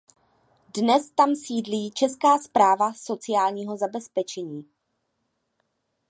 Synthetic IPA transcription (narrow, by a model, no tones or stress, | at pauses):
dnɛst̪amsiːdliːt͡ʃɛskaːspɾaːvaso̞t͡sɪjaːlɲiːɦo̞zabɛspɛt͡ʃɛɲiː